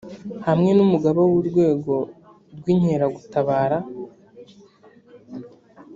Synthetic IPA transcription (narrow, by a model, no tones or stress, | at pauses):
hamŋe̞numuɡaβowuɾɡwe̞ːɡo̞ | ɾɡwiːɲheɾaɡutaβaːɾa